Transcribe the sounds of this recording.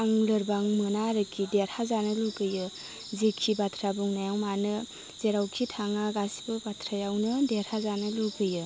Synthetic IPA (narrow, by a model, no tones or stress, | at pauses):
aŋlɯɾbaŋmɯnaɾɯkʰideɾhazanɯluɡɯjɯ | zekʰːibatʰɾabuŋnajawmanɯ | z̥eɾawkʰitʰaŋaɡasi̥bɯbatʰɾajawnɯdeɾhazanɯluɡɯjɯ